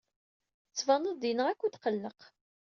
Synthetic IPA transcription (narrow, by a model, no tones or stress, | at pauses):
ət͡sːvɑnəðd̪inəʁækʷːut̪qəlːəq